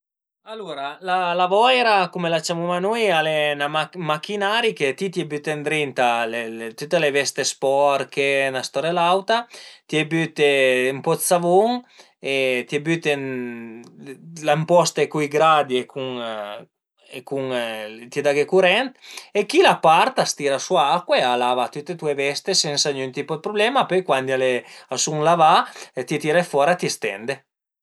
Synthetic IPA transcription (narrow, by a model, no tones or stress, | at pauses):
aluɾalalavɔɛɾakumelat͡ʃamumanojalenaamakːinaɾiket̪it̪jebyt̪end̪ɾint̪aleet̪yt̪ːelevɛst̪espɔɾkenast̪ɔɾelawt̪at̪jɛbyt̪eimpɔsavoŋ | et̪iebyt̪en | lampɔst̪ekuiɡɾad̪iekʰuŋ | ekuŋt̪ied̪aɡekuɾɛnt̪ekilapaɾt̪ast̪iːɾasuaakːwealavat̪ut̪ːet̪uevɛst̪esɛnsanynt̪ipod̪̚pɾoblɛːmapøjkwand̪ialeasuŋlavaet̪iet̪iɾafɔːɾat̪iest̪ɛ̰nd̪e